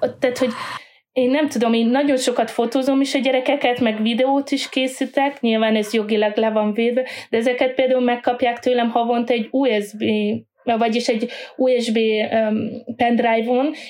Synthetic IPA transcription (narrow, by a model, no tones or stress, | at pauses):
t̪ːaːt̪ho̞ɟ | eːnːɛmt̪ud̪o̞meːnːɒɟo̞nʃo̞kɒt̪fo̞t̪oːzo̞miʃɒɟɛɾɛkɛkɛt̪mɛɡvid̪ɛoːt̪iʃkeːsit̪ɛkɲilvaːnɛzjo̞ɡilɒɡlɛvɒɱveːd̪vɛd̪̥ɛɛzɛkɛt̪̚peːld̪aːulmɛkːɒpjaːkt̪øːlɛmhɒvo̞nt̪ɛɟːuːɛzbeː | vɒɟiʃɛɟuːɛʒbeː | pɛnd̪rajvon